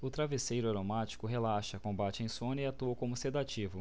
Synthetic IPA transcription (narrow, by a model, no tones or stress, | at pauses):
ʊt̪ɾavesejɾʊaɾomat͡ʃi̥kʊɦelaʃɐkõbat͡ʃɪẽj̃sõnɐɪat̪uɐkõmʊsed̪at͡ʃivʊ